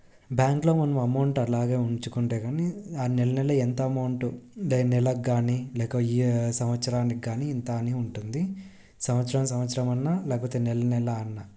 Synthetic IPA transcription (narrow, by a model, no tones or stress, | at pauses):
bjaːŋklo̞ːmɐnɐmɐmɐwɳʈɐlaːɡeːuɲt͡ʃukuɳʈeːɡaːniaːnɛlːɐnɛlːɐent̪ɐɐmɐwɳʈulɛːnɛlɐɡaːnilɛːkɐisɐmʋɐt̪sɐɾaːnikɡaːniɛnt̪aːniuɳʈund̪i | sɐmɐt̪sɐɾɐmsɐmʋɐt̪sɐɾɐmɐnːalɛːkɐpoːt̪eːnɛlːɐnɛlːɐːnːa